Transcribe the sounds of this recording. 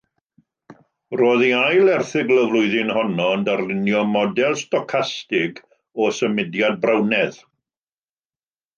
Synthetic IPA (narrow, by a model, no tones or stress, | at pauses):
roːðiajlˠɛrθɪɡləvlˠʊɨðɪnhɔnɔndarlɪnjɔmɔdɛlˠstɔkʰastɪɡ | ɔsəmɪdjad̚brawnɛð